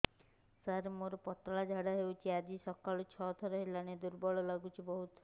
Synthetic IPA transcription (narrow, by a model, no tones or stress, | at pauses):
saɾemoɾɔpɔt̪ɾɔɭad͡ʒʱaɽaɦewt͡ʃʰiad͡ʒisɔkalɔt͡ʃʰɔt̪ʰɔɾɔɦelaned̪uɾbɔɭɔlaɡut͡ʃʰibɔɦut̪